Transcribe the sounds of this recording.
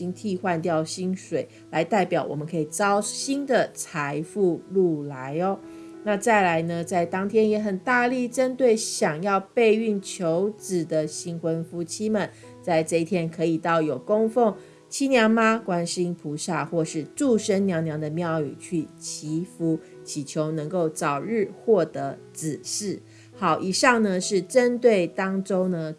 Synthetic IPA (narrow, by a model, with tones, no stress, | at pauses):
i˥ŋt̪ʰi˥˧xwa˥˧nt̪jɑ˥˩ʊɕi˥nʂwe˨˩ɪ | la˧˥ɪt̪a˥˩ɪpjɑ˨˩ʊwɔ̰˨˩mə˦nkʰɤ˧˥i˨˩t͡sɑ˥ʊɕi˥nd̪ə˨t͡sʰa˧˦ɪfu˥˧lu˥˩la˧˦ɪɔ˦ | na˥˧t͡sa˥˩ɪla˧˥ɪnə˧t͡sa˥˩ɪt̪ɑ˥ŋt̪ʰjɛ˥njɛ˨˩˥xə˨˩nt̪a˥˧li˥˩ʈ͡ʂə˦˥nt̪we˥˩ɪɕjɑ˨˩ŋjɑ˥˧ʊpe˥˧ɪy˥˩nt͡ɕʰjo˧˦ʊt͡sɹ̩˨˩d̪ə˦ɕi˧˥ŋxwə˦nfu˥t͡ɕʰi˥mə˨n | t͡sa˥˧ɪʈ͡ʂɤ˥˧i˥˩t̪ʰjɛ˥nkʰɤ˧˥i˨˩t̪ɑ˥˩ʊjo˨˩ʊko˥ŋfo˥˩ŋ | t͡ɕʰi˥njɑ˧˥ŋma˧kwa˥nɕi˥ŋpʰu˧˥sa˥˧xwɔ˥˧ʂɻ̩˥˧ʈ͡ʂu˥˨ʂə˥nnjɑ˧˥ŋnjɑ˧˥ŋd̪ə˧mjɑ˥˩ʊy̰˨˩t͡ɕʰy˥˩t͡ɕʰi˧˥fu˥ | t͡ɕʰi˨˩t͡ɕʰjo˧˥ʊnə˧˥ŋko˥˩ʊt͡sɑ˨˩ʊɻɻ̩˥˧xwɔ˥˩t̪ə˧˥t͡sɹ̩˨˩ʂɻ̩˥˩ | xɑ˨˧˩ʊʔi˨˩ʂɑ˥˩ŋnə˨ʂɻ̩˥˩ʈ͡ʂə˦˥nt̪we˥˩ɪt̪ɑ˥ŋʈ͡ʂo˥ŋnə˧